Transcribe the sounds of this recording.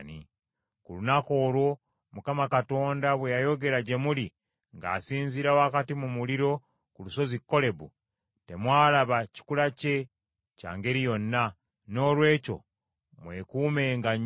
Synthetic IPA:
ni | kulunako̞ːɾwo̞ | mukamakato̞ːndaβwejajo̞ɡe̞ɾaɟe̞muli | ŋɡa̰ːsiːnziɾawoakatimumuliɾo̞ | kuluso̞zikːo̞le̞βu | te̞mwaːlaβaci̥kulace̞ | ca̰ːŋɡe̞ɾijo̞nːa | no̞ːlwe̞ːco̞̰ | mweːkuːme̞ŋɡa

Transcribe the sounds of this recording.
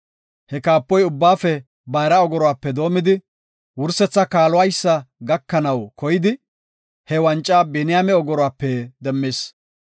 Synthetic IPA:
hɛkaːpːɔjʊbːaːfɛ | bɐjɾɐɔɡɔɾɔwaːpːɛd̪o̞ːmɪd̪ɪ | wʊɾsɛt͡sːɐkaːlɔwɐjsːɐɡɐkːɐnɐwkɔjɪd̪ɪ | hɛwɐnt͡ʃʼːaːbɛnɪjamɛɔɡɔɾɔwaːpːɛd̪ɛmːeːs

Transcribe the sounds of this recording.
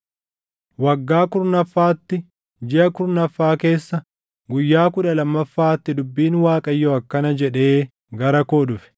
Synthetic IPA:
wɐɡːaːkʊɾnɐfːaːt̪ːɪ | d͡ʒɪʔɐkʊɾnɐfːaːke̞ːsːɐ | ɡʊjːaːkʊᶑɐlɐmːɐfːaːt̪ːɪd̪ʊbːiːnwaːkʼɐjːoɐkːɐnɐd͡ʒɛᶑe̞ː | ɡɐɾɐkoːᶑʊfɛ̥

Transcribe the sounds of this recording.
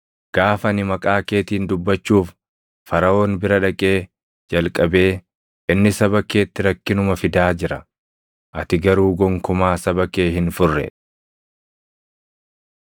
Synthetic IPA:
ɡ̥aːfɐnɪmɐkʼaːkeːt̪iːnd̪ʊbːɐt͡ʃːuːf | fɐɾɐo̞ːnbɪɾɐᶑɐkʼe̞ː | d͡ʒɐlkʼɐbe̞ː | ʔɪnːɪsɐβɐke̞ːt̪ːɪɾɐkːɪnʊmɐfɪd̪aːd͡ʒɪɾɐ | ʔɐt̪ɪɡɐɾuːɡɔŋkʊmaːsɐbɐke̞ːɦɪnfʊrːɛ̰

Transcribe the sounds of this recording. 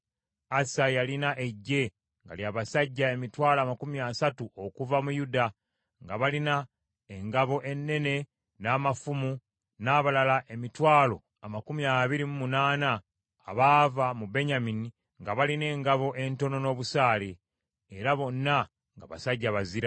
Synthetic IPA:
asajalinaʔe̞ɟːe̞ | ŋɡa̰ljaːβasaɟːae̞mitwaːlaːmakumiaːsatuʔo̞kuvamujuda | ŋɡaβalina | eŋɡaβo̞ʔe̞nːe̞ne̞ | naːmafumu | naːβalalaʔe̞mitwaːlo̞ | amakumiaːβiɾimumunaːnaː | βaːvamube̞ɲamini | ŋɡaβaline̞ːŋɡaβo̞ʔe̞nto̞no̞no̞ːβusaːleː | ɾaβo̞nːa | ŋɡa̰βasaɟːaβaziɾa

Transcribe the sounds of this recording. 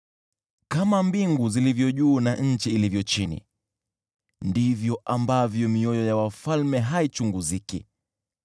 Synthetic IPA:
kamambiŋɡuzilivjɔʄuːnaɲ̩t͡ʃiːlivjɔt͡ʃinḭ | ndivjɔʔambavjɔmiɔjɔjawafalmɛɦait͡ʃuŋɡuzikḭ

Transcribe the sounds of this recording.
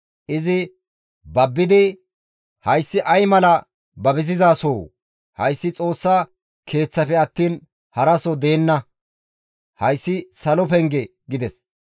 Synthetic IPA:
ʔɪzɪ | bɐbːɪd̪ɪ | hɐjsːɪʔɐjmɐlɐ | bɐbɪzɪzaːsoː | hɐjsːɪt͡sʼo̞ːsːɐ | kʰe̞ːt͡sːɐfɛɐt̪ːiːn | hɐɾɐsɔd̪e̞ːnːɐ | hɐjsːɪsɐlɔpɛŋɡɛ | ɡɪd̪ɛs

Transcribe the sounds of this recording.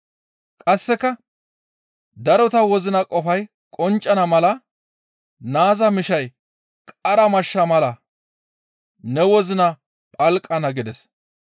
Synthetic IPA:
kʼɐsːɛkːɐ | d̪ɐɾɔt̪ɐwɔzɪnɐkʼɔfɐj | kʼɔnt͡ʃʼːɐnɐmɐlɐ | naːzɐmɪʃɐj | kʼɐɾɐmɐʃːɐmɐlɐ | nɛwɔzɪnɐ | pʼɐlkʼːɐnɐɡɪd̪ɛs

